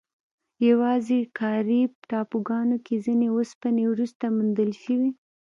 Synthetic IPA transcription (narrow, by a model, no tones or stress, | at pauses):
jawɑzekɑɾibʈɑpoɡɑnokezineospanewɾust̪amund̪əlʃəwi